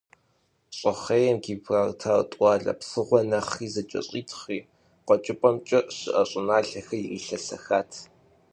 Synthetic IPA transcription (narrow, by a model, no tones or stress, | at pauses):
ɕʼɐχejɛmɡiːprartʰaːrtʼʷɑːɮɐ̰psɨʁʷɔnɐχiːzɐt͡ʃʼɐ̰ɕʼiːtʰχiː | qɔt͡ʃʼɪpʼɐmt͡ʃʼɐɕɨʔɐɕʼɪnaːɬɐxɐjiriːɬɐsɐ̰xaːtʰ